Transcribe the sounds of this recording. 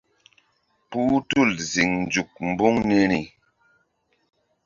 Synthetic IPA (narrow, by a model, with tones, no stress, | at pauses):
puː˦tu˦˨lzi˨ŋn̩˨d͡ʒu˨k̚m̩˨bu˦ŋne˦ni˨